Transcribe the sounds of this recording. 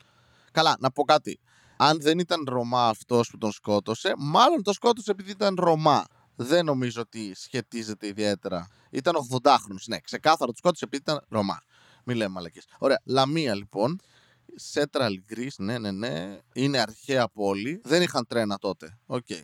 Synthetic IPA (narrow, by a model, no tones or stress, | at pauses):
kɐlɐnɐpo̞kɐt̪ḭ | ɐnðe̞nit̪ɐnɾo̞mɐːft̪o̞sput̪onsko̞t̪o̞se̞mɐlo̞nt̪o̞sko̞t̪o̞sepiðiit̪ɐnɾo̞mɐ | ðe̞no̞mizoot̪isçe̞t̪ize̞t̪e̞iðie̞t̪e̞ɾɐ̰ | ḭt̪ɐno̞ɣðo̞nd̪ɐxɾo̞nosne̞̰kse̞kɐθɐɾot̪u̥sko̞t̪sepiðit̪ɐnɾo̞mɐ̰ | milemmɐlɐceso̞ɾe̞ɐlɐmiɐlipo̞n | se̞t̪ɾɐliɡɾisne̞ne̞ne̞ine̞ɐɾçeɐpo̞liðe̞nixɐnt̪ɾe̞nɐt̪o̞t̪eo̞ce̞̰i